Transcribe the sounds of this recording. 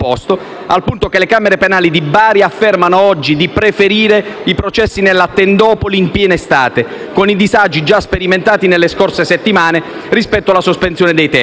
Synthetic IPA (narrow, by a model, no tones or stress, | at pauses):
ɔst̪o | a̰lpunt̪okelekameɾepenaːlid̪ibaːɾjafːermanoɔd͡ʒːid̪ipɾefeɾiːɾeipɾot͡ʃɛsːinelːat̪ːend̪ɔːpoliːmpjɛːnest̪aːt̪e | konid̪izad͡ʒːid͡ʒaspeɾiment̪aːt̪inelːeskorseset̪ːimaːnerispɛt̪ːoalasospensjɔːned̪ejt̪ɛ